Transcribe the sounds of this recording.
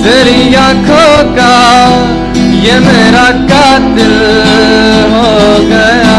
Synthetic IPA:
t̪eːɾijãːkʰokaː | jeːmeːɾaːkaːt̪ɪl | ɦoːɡəjaː

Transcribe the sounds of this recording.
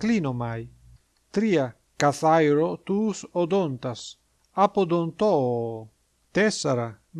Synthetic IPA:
klinomaj | t̪ɾia | kaθajɾot̪uːsod̪ont̪as | apod̪ont̪ɔ | t̪ɛsaɾa | m

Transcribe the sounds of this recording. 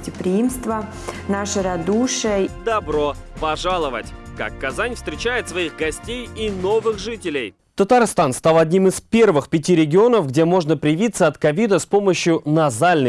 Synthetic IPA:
tʲɪpɾʲɪimst̪və | naʂɨɾɐd̪uʂɨjəd̪ɐbɾopɐʐalˠəvə̰tʲka̰kːɐzanʲfst̪ʲɾʲɪt͡ɕæjɪt̪svɐixɡɐsʲtʲejino̞vɨxʐɨtʲɪlʲɪj | t̪ət̪arst̪anst̪alˠɐdʲnʲimɨspʲe̞rvɨxpʲɪtʲiɾʲɪɡʲɪo̞nəfɡdʲemo̞ʐnəpɾʲɪjɪvʲit̪səɐt̪kɐvʲid̪əspo̞məɕjʊnɐzalʲnə

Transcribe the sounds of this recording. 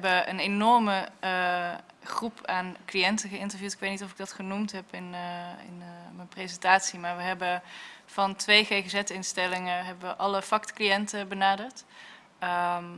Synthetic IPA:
bəə̰nenɔɹmə | χrupʰaːnklijɛntəχəɪntəɹvjuːtɪkʋejtnitɔfɪɡ̚dɑtχənumtɦɛpɪnɪ̰nmənprezɛntaːtsimaːɹʋəɦɛbəv̥ɑntʋejχeχəzɛtɪnstɛlɪŋəɦɛbəʋəʔɑləfɑktkliɛntəbənaːdəɹt | əm

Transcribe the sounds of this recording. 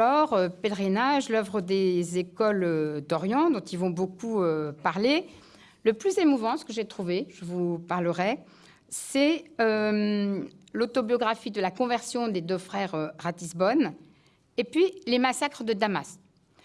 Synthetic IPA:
ɔʁøpɛlʁinaʒlœvʁəd̪ezekɔlød̪ɔʁjɑ̃d̪ɔ̃t̪ilvɔ̃bokuøpaʁle | ləplyzemuvɑ̃sə̥kəʒet̪χuveʒ̥əvupaʁləʁɛ | sɛø | lot̪ɔbjɔɡʁafid̪əlakɔ̃vɛʁsjɔ̃d̪ed̪øfχɛʁøʁat̪isbɔn | epɥilemasakχəd̪əd̪amas

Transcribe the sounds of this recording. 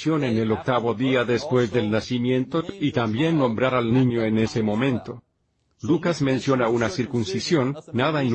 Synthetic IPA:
jo̞ne̞nelo̞k̚t̪aβo̞ðiaðe̞spwe̞zðe̞lnasimjẽ̞nt̪o̞it̪ambje̞nːõ̞mbɾaɾalnĩɲo̞ene̞se̞mo̞mẽ̞nt̪o̞ | lukazmẽ̞nsjo̞naunasiɾkunsisjo̞nːaðaen

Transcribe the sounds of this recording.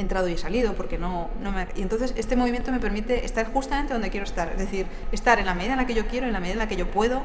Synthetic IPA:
ent̪ɾaðoiesaliðopo̞ɾke̞no̞no̞meaient̪onθese̞st̪e̞mo̞βimjent̪ome̞peɾmit̪e̞ʔḛst̪aɾxust̪amẽnt̪eo̞nd̪ekjeɾost̪aɾe̞zðe̞θiɾ | e̞st̪aɾenlame̞ðiðaelake̞ʝo̞kje̞ɾoienlameiðaenlakeʝo̞pwe̞ðo̞

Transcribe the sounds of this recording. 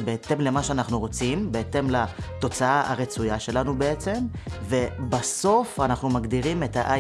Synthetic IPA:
beet̪e̞mle̞maʃeanaχnuʁo̞t͡simbeet̪e̞mlat̪o̞t͡saaʔa̰ʁet͡sujaʃe̞lanube̞et͡se̞m | ve̞baso̞fanaχnumaɡd̪iʁime̞taʔa

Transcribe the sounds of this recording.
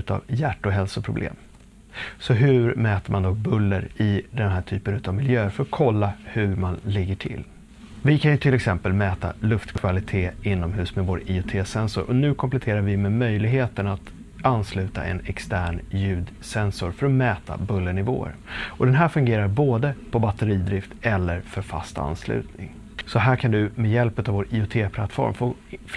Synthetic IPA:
ʉt̪a̰vjæʈːɔɦɛlsʊpʰɾʊblḛːm | sɔɦɵɾmɛːt̪əmand̪ɔk̚bɵlːəɾɪd̪ɛnɦæːʈʰyːpənʉ̟t̪avmɪljøːəɾfœɾɔkʰɔlːahɵɾmanlɪɡːəʈʰɪ̰lː | vɪkʰanjɵt̪ʰɪlɛksɛmpəlmɛːt̪a̰lɵft̪kʰvalɪt̪ʰeːɪnːɔmɦʉ̟ːsmɛvoːɾɪʊt̪ʰeːsɛnsʊ̰ɾʔɔnʉ̟ːkʰɔmplɛt̪ʰeːɾaɾvɪmɛmœjlɪɡɦeːt̪ənat̪ | anːslʉ̟ːt̪a̰ʔɛ̰nɛkst̪æːɳjʉ̟ːd̪ | sɛnsʊɾfœɾɔmɛːt̪ʰa̰bɵlːənɪvo̰ːə̰ɾɔd̪ɛnɦæːɾfɵŋɡeːɾaɾboːd̪əpʰɔbat̪əɾiːd̪ɾɪft̪ɛlːəɾfœɾfa̰st̪a̰nːslʉ̟̰ːt̪nɪ̰ŋ | sɔɦæːɾkʰand̪ɵmɛjɛlpʉ̟t̪avoːɾiːʊt̪ʰeːpʰla̰t̪ːfɔ̰ɾmfof

